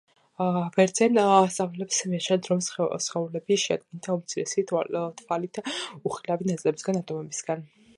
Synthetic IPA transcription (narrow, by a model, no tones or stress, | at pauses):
vɛɾd̪zɛnst̪sʼavlɛlɛpsmiat͡ʃʰɛnd̪ɾɔmssχɛulɛbiʃɛa̰d̪̚ɡɛnt̪ʰaumt̪sʰiɾɛsit̪ʰvalit̪ʰuχilavinat̪ʼlɛbisɡanat̪ʼɔmɛbisɡan